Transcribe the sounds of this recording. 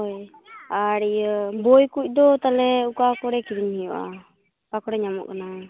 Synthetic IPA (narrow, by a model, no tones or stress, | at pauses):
ɔj | aɾijəbojkuc̚ˀd̪ɔt̪alɛukakɔɽɛkiɾiɲhɛjuʔa̰ | kakɔɽɛɲamɔ̰ʔkana